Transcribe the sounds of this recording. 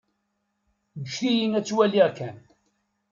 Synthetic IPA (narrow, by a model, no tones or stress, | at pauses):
ɡəʃθijinæt͡sːwæliʁkːæn